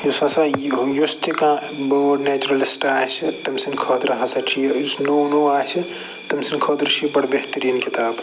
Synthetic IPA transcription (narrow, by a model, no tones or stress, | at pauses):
jusãsãjust̪ikãbənet͡ʃuɾɐlisʈaːjt͡ʃʰit̪ɐmsinkʰɔd̪ɾɦɐsɐʈʰijsnownoaːjsʰi | t̪ɐmsinkʰɔːd̪ɾt͡ʃʰibɐɽbeɦt̪əɾiːnkit̪aːb